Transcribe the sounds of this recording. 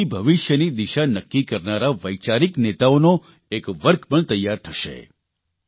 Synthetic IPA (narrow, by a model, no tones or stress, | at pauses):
ibʱəʋiʃjənid̪iʃanəkːikəɾnaɾaʋəjt͡ʃaɾiknet̪aono | ekʋəɾkʰpəɳt̪əjːaɾt̪ʰəʃḛ